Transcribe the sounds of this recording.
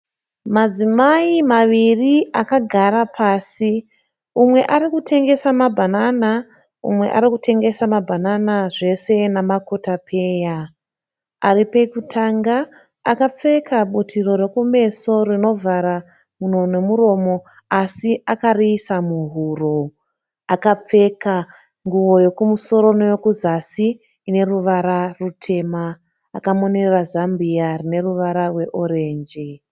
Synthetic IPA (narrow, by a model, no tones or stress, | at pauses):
mad͡zimaimaʋiriakaɡʱaɾapʰaːsi | umwe̞ʔaɾikutʰe̞ŋɡe̞samabʱanana | ṵmwe̞̰ʔa̰ɾikutʰe̞ŋɡe̞samabʱananaʐe̞se̞namako̞tapʰe̞ːja | aɾipe̞kutʰaŋɡaː | kap͡fe̞kʰaɓutʰiro̞ɾe̞kume̞so̞rino̞vʱaɾa | muno̞ne̞muɾo̞mo̞ | asiakariːsamuɦuːro̞ | akap͡fe̞ka | ŋɡuʋo̞jo̞kumuso̞ɾo̞nojo̞kuzasiː | ne̞ruʋaɾarutʰe̞maː | kamo̞ne̞rrazambiarine̞ruʋaɾarwe̞ʔo̞ɾeːnd͡ʒi